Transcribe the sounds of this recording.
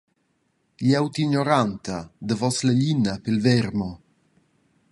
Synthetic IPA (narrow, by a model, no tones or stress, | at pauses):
ʎɛwt̪iɲoɾant̪ad̪əvɔsleʎinːapelvɛɾmo